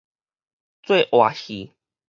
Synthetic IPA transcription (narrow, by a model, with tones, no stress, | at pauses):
t͡swe˥˨ʔwa˨˩xi˨˩˦